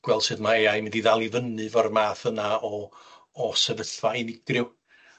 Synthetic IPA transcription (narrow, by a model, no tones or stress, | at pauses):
ɡ̥wɛl̥ˠsɨːðmaejajmɪndiðalˠivənɨvɔrmaːθənaɔː | sɛvəɬvainɪɡrɪw